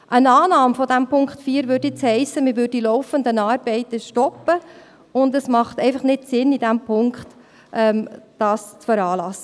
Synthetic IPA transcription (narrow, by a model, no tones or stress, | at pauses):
ʔənɑːnɑːmfɔdæmpʰʊŋkχtfiːɾvøːdet͡shɛɪsəmɪvʏdilɔʊfəndənɑːɾb̥ɛɪt̪əʃtɔpːə | ʊndəsmɑχt̪ɛɪfɑχnɪtsɪnid̥æmpʰʊŋkχt | ʔɛmd̥ɑːst͡sfəɾɑːlɑsːə